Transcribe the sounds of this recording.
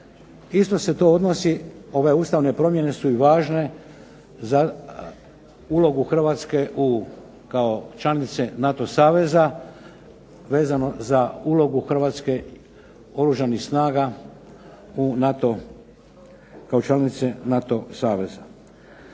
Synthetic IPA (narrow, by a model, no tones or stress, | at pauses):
ist̪o̞se̞t̪o̞od̪no̞sio̞ʋe̞uːst̪aʋne̞pɾo̞mje̞ne̞suiʋaːʒne̞ | za | uːlo̞ɡuxr̩ʋaːt̪ske̞ʔu | kaot͡ʃlanit̪senat̪o̞saːʋe̞za | ʋe̞ːzano̞zauːlo̞ɡuxɾr̩ʋaːt̪ske̞ | o̞ɾuʒanixsnaːɡa | unat̪o | kaot͡ʃlanit̪senat̪o̞saːʋe̞za